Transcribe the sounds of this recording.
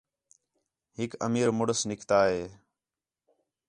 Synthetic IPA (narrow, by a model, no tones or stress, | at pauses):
ɦɪkə̰miːɾmʊɽəsnɪkʰt̪aːɦeː